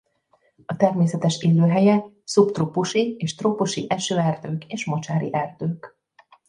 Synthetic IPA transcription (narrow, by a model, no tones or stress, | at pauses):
ɒt̪ɛrmeːsɛt̪ɛʃeːlːøːɦɛjɛ | supt̪ropuʃieːʃt̪ropuʃiʔɛʃøːɛrd̪øːkeːʃmo̞t͡ʃaːɾḭʔɛrd̪øːk